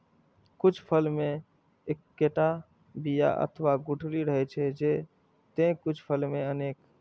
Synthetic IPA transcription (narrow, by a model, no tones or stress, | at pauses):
kut͡ʃʰpʰəlme | ekːeʈa | bija̰ʔə̰t̪ʰʋaɡuʈʰliɾəɦɛt͡ʃʰɛd͡ʒe | t̪ẽkut͡ʃʰpʰəlmeəneːk